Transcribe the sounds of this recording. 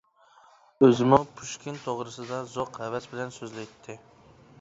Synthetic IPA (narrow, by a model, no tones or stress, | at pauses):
ɵzɪmʊpʰuʃkʲɪnt̪ʰoʁɾɨsɪd̪ɑzoqævæsbɪlænsøzlæjt̪ʰːɪ